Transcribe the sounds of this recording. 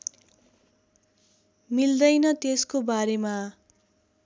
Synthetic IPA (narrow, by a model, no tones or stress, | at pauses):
mild̪ʌjnʌt̪eskobaɾema